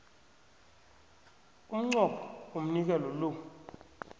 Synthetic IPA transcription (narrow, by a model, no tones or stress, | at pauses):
um̩ŋ͡ǀɔkʰɔ̥om̩nik̬ɛlɔlo